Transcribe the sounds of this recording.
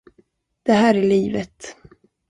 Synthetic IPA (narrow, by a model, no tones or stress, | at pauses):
d̪̥ɛɦæːɾæɭiːvət̪